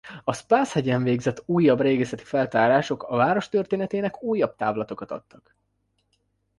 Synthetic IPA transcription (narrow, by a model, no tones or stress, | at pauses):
ɒspaːshɛɟɛɱveːɡzɛt̪ːuːjːɒbreːɡɛsɛt̪i̥fɛlt̪aːɾaːʃo̞kɒvaːɾo̞ʃt̪ørt̪eːnɛt̪eːnɛkuːjːɒb̚t̪a̰ːvlɒt̪o̞kɒt̪ɒ̰t̪ːɒk